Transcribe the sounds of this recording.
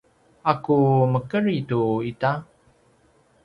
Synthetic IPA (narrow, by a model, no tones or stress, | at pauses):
akuməkəɾituita